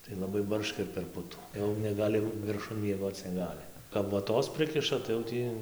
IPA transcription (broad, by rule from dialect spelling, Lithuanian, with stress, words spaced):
tɐɪ lˠɐˈbɐɪ ˈbɐrʃkɐ ɪr pʲɛr ˈpʊtuː jɛʊ nʲɛˈɡɑːlʲɪ ʋʲɪrˈʃʊn mʲiɛˈɡoːt͡s nʲɛˈɡɑːlʲɪ kɐp ʋoːˈtoːs ˈpʲrʲɪkʲɪʃɐ tɐɪ jɛʊ ˈtʲiː